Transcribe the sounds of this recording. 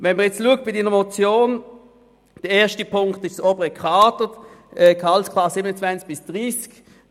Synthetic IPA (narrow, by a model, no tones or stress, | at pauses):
vɛnməʁjɛt͡stluːək̚t̚b̥ɪdiːnəmot͡sjoːn | d̥ɛɛːɐʃtəpʰʊŋktɪʃsoːbəʁəkʰʁɑːtətɛkʰɑlskʰlɑssiːbənət͡svant͡sk̚b̥ɪsd̥ʁiːsk